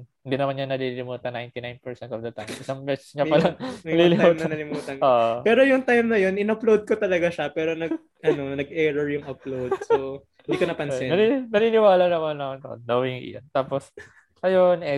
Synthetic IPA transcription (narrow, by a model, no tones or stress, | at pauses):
ɪnd̪inɐmanɲɐnɐlilɪmuːt̪ɐnajnt̪inajnpɛɹsɛnt̪ɔvd̪ɐt̪ajmʔɪsɐŋbɛst͡ʃɲɐpɐlɐŋnɐlilɪuːmɐnɐlɪmuːt̪ɐʔoːʔopɛːɾo̞jʊŋt̪ajmnɐjo̞nɪnɐplowd̪̚kot̪ɐlɐɡaʃɐpɛːɾonɐ | ɐno̞nɐɡ̚ɛɹɛɹjʊŋɐplowdso | ɪnd̪iːkonɐpɐnssɛɐinɐninɪwaːlɐnɐmɐnɐɐnonowɪŋʔɪ̰jo̰nt̪aːpos | ʔɐjonɛ